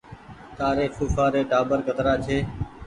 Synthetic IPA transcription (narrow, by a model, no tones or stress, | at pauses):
t̪aːɾeːkuːsaːɾeːʈaːbəɾkət̪ɾaːt͡ʃʰeː